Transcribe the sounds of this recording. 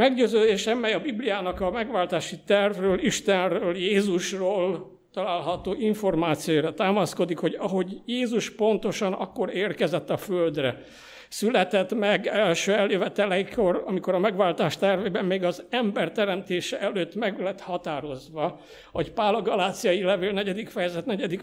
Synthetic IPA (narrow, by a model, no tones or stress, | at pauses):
mɛɡɟøːzøːd̪eːʃɛmːɛjɒbiblijaːnɒkɒmɛɡʋaːlt̪aːʃit̪ɛrvrøːliʃt̪ɛnrøːljeːzuʃroːl | t̪ɒlaːlɦɒt̪oːʔiɱfo̞rmaːt̪sijojɾɒt̪aːmɒsko̞d̪ikho̞ɟɒɦo̞ɟjeːzuʃpo̞nt̪o̞ʃɒnɒ̰kːo̞ɾeːrkɛzɛt̪ːɒføld̪rɛ̰ | sylɛt̪ɛt̪mɛɡɛlʃøːɛlːeːvɛt̪ɛlɛiko̞rɒmiko̞ɾɒmɛɡʋaːlt̪aːʃt̪ɛrveːbɛmmeːɡɒzɛmbɛrt̪ɛɾɛmt̪eːʃɛʔɛløːt̪ːmɛɡlɛt̪hɒt̪aːɾo̞zʋɒ | ɒcpaːlɒɡɒlaːt̪sijɒjilɛveːlnɛɟɛd̪ikfɛjɛzɛt̪nɛɟɛd̪ik